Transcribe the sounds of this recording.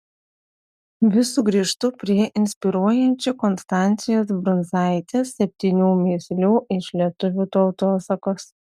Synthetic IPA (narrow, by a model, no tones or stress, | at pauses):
ʋʲɪsuɡɾʲiːʃt̪ʊpʲɾʲiɛʔɪnʲsʲpʲɪɾuɔjɛnʲt͡ʃʲukɔnst̪ɑˑnʲt̪sʲɪjoːsbɾʊnzɑˑɪt̪ʲeːsːʲɛpʲt̪ʲiːnʲuːmʲeːsʲlʲuːʔɪʃlʲiɛt̪ʊʋʲuːt̪ɔʊt̪oːsɐkoːs